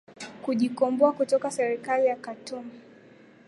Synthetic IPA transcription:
kuʄikɔmbɔakutɔkasɛɾikalijakatum

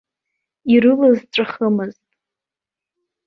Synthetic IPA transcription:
irɨlɨzʈ͡ʂʷʼaχəmɨztʼ

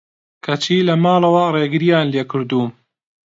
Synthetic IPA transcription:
kʰɐt͡ʃʰiːlɐmaːlɐwɐreːɡɨɾijaːnleːkɨɾd̪uːm

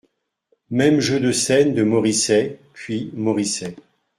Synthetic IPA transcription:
mɛmʒød̪əsɛnd̪əmɔʁisɛpɥimɔʁisɛ

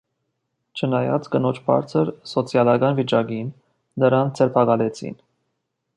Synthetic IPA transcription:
t͡ʃʰənɑjɑ̰t͡sɡənɔt͡ʃʰbɑ̰ɾt͡sʰəɾsɔt͡sʰjɑlɑɡɑnvit͡ʃɑɡinː | əɾɑnd͡zɛɾpʰɑɡɑlɛt͡sʰḭn

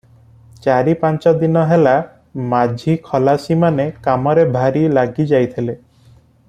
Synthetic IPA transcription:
t͡ʃaɾipant͡ʃɔd̪inɔɦela | mad͡ʒʱikʰɔlasimanekamɔɾebʱaɾilaɡid͡ʒajt̪ʰile

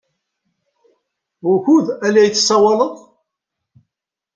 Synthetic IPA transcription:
ʊɾçuðælæjt͡sːə̥sːɑwɑləðˤ

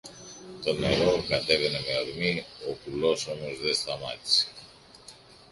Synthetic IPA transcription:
t̪o̞ne̞ɾo̞kɐt̪e̞ve̞ne̞meoɾmiokulo̞so̞mo̞zðe̞st̪ɐmɐt̪i̥se̥

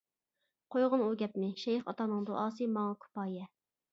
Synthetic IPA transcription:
qʰojʁʊnuɡʲɛpmɪʃɛjχɑ̰t̪ɑnɨŋd̪oʔɑːsɨmɑŋɑkʰu̥pɑːjɛ

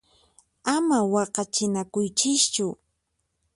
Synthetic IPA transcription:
amawɑqɑt͡ʃɪnakʊjt͡ʃɪst͡ʃʊ

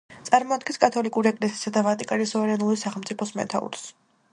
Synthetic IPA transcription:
t̪sʼaɾmɔad̪̚ɡɛnskʼat̪ʰɔlikʼuɾiɛkʼlɛsisad̪avat̪ʼikʼanisɔvɛɾɛnulisaχɛlˠmt̪sʼipʰɔsmɛ̰t̪ʰa̰ṵɾs

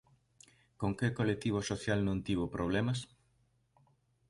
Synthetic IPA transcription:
koŋkekolet̪iβ̞osoθjalnõnt̪iβ̞opɾʔoβ̞lemɐs

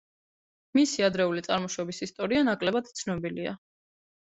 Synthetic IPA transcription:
misiad̪ɾɛulit̪sʼaɾmɔʃɔbisist̪ʼɔɾianakʼlɛbad̪t̪sʰnɔbilia̰

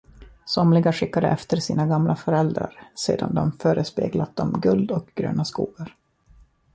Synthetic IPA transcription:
sɔmlɪɡaɧɪkːad̪ə̰ʔɛft̪əɾsiːnaɡamlafœɾɛld̪ɾa̰ɾseːd̪a̰nd̪ɔmfœːɾəspeːɡlat̪̚d̪ɔmɡɵld̪ɔkɡ̥ɾø̰ːnaskuːɡaɾ

